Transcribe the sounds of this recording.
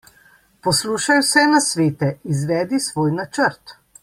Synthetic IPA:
pɔsluːʃajwsɛnasʋeːt̪ɛizʋɛːd̪isʋoːjnat͡ʃəɾt̪

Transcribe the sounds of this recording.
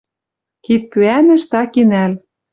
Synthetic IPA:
kit̪̚pyænɘ̆ʃt̪ɑkinæl

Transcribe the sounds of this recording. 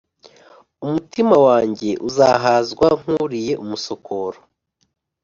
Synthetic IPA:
umutimawaːɲɟe̞ʔuzaɦaːzɡwaŋ̥huɾije̞ʔumuso̞kʰoɾo

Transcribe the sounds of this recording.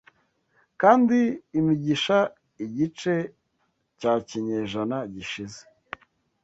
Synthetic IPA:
kaːndiːmiɟiʃa | iɟit͡ʃe̞ | caːciɲeːʒanaɟiʃize̥

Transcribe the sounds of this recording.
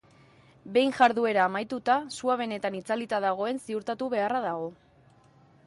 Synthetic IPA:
be̞jnʝaɾðue̞ɾaːmajt̪ut̪asuaβe̞ne̞t̪anit͡salit̪aðaɣ̞o̞e̞nsiuɾt̪at̪uβe̞araðaɣo̞

